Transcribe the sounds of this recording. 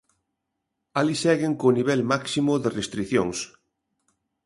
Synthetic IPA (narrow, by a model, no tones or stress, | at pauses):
alisɛɣeŋkoniβ̞ɛlmaksimʊðerest̪ɾiθjoŋs